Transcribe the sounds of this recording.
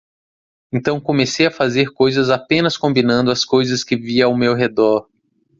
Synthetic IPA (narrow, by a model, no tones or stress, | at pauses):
ẽnt̪ɐ̃w̃kõmesejɐfazeɾkojzɐzapẽnɐskõmbinɐ̃nd̪ʊɐskojzɐskɪviɐawmewɦed̪ɔɾ